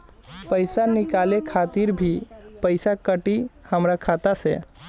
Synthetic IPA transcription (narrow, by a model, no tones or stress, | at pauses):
pəjsanikalekʰat̪iɾbʱipəɪsakəʈihəmɾakʰat̪asḛ